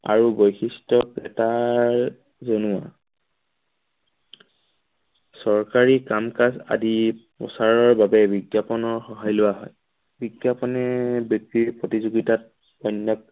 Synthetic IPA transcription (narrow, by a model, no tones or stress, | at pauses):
a̰ɹubojxistɔkɹɛtaɹ | zonʊwa̰ | sɔɹkaɹikamkasa̰dipɔ̰saɹɔɹbabɛbiɡjapɔnɔɹxɔɦajlʊaɦɔj | biɡjapɔnɛbjok̚tiɹpɹotizuɡitat̚ | bɔjnːɔk̚